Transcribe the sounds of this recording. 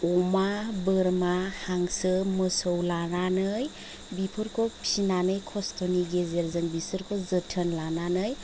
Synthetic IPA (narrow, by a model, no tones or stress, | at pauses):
ɔmabəɾmahaŋsɯməsəwlananɯj | bipʰɯɾkʰɔ̥sinanɯjkʰɔstʰɔniɡezeɾzɯŋbisɯɾkʰɔzətʰənlananɯj